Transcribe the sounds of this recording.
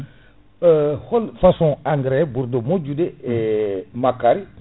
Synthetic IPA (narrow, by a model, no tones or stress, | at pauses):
holfasõaŋɡɾebuɾdomod͡ʒudeemakaɾi